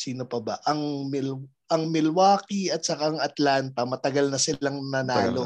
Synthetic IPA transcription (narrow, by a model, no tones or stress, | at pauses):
siːno̞pɐbɐʔɐŋmɪl | ʔɐŋmɪlwaːkiɐt̪̚sɐkaɐŋɐt̪lant̪ɐmɐt̪ɐɡɐlnɐsɪlaŋnɐnaːlo